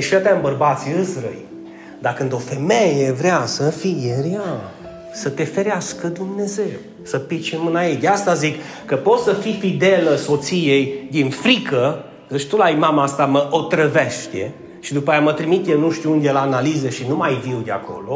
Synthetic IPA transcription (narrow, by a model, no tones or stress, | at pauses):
ʃiat̪aɨmbərbat̪sʲiɨsɾə̰j | d̪akɨnd̪o̞fe̞mejevɾeasəfijeɾja | sət̪e̞fe̞ɾeaskəd̪umne̞ze̞w | səpit͡ʃimɨnajed̪east̪azik | kːəpo̞t̪səfifid̪eləso̞t̪sijejd̪infɾikə | əʃt̪ulajmamaast̪aməʔot̪ɾəveʃt̪e̞ | ʃid̪upajamət̪ɾimit̪jenuʃt̪iuund̪elaːnalizeʃinumajviwd̪ea̰kʰo̞̰lo̞